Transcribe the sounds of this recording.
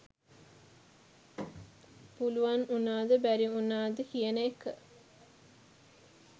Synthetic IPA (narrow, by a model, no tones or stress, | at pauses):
puluʋanunaːd̪əbæɾiunaːd̪əkijənəekə